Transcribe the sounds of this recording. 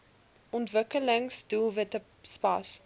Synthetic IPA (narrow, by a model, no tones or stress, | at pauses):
ʔɔntvəkələŋsdulˠvətə | spɐ̰s